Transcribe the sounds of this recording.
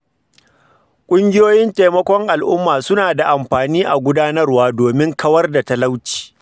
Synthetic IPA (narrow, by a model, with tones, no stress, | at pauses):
kʷʼʊ˦ŋɡʲɪ˦joː˦jɪ˦nta˨jmɐ˦kʷɔ˦ŋʔa˨lʔʊ˦mːaː˨sʊ˦naː˨da˨ʔa˨mɸaː˨niː˦ʔa˨ɡʷʊ˦daː˦nɐ˦rwaː˦doː˨mɪ˦ŋkʰɐ˦wɐ˦rda˨ta˦la˦wt͡ʃi̥ː˨